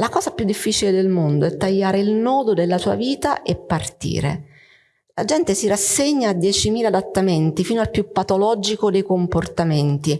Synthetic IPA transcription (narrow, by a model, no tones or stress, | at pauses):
lakɔːzapjud̪ːifːit͡ʃiled̪elmond̪oɛt̪ːaʎːaːɾeilnɔːd̪od̪elːasuːa̰viːt̪aʔepːart̪ḭːɾḛ | lad͡ʒɛnt̪esirasːeɲːaːd̪ːjɛːt͡ʃimiːlad̪at̪ːament̪ifiːnoalpjupːat̪olɔːd͡ʒikod̪ejkomport̪ament̪i